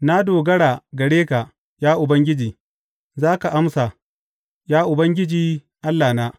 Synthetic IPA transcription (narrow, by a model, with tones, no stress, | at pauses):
na˦doː˨ɡɐ˦ɽaː˨ɡɐ˨ɽeː˦ka˨ | jaː˦ʔʊ˨bɐ˦ŋɡʲɪ˦d͡ʒiː˨ | zaː˦ka˨ʔa˦msa˨ | jaː˦ʔʊ˨bɐ˦ŋɡʲɪ˦d͡ʒiː˨ | ʔa˦lːaː˨naː˦